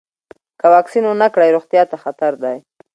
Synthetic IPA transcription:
kawɑksinʊnakɽajɾoɣt̪jɑt̪axat̪aɾd̪aj

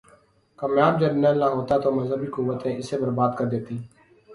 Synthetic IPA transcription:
kəmjaːb̚d͡ʒəbnẽːlnaːɦoːt̪aːt̪oːməzɦəbiːkʊʋət̪ẽːʔɪseːbəɾbaːd̪kəɾd̪eːt̪iː

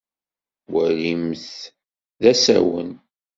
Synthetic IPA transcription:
wəlimθ | ðæsæ̰wə̰n

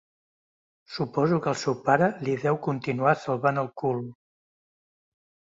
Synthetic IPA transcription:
supɔzukəlˠsɛwpaɾəliðɛwkunt̪inuasəlˠβanəlˠkulm

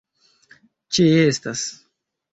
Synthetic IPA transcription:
t͡ʃiestas

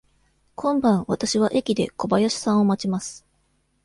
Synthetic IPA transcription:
kʰõ̞mbãɰ̃βat̪aɕiβaʔe̞kʲid̪e̞ko̞bajaɕi̥sãɰ̃o̞mat͡ɕimasɨ̥

